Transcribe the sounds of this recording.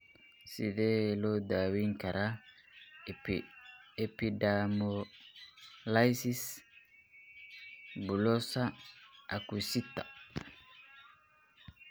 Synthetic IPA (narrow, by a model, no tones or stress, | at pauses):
sid̪elod̪awiŋkɐɾa | ɛpidamo | lajsis | bulɔsaʔakusit̪ːḁ